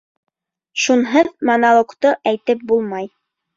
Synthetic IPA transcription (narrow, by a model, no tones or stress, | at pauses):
ʃunɦɤðmonalˠokt̪oʔæjt̪ɘp̚bulˠmɑj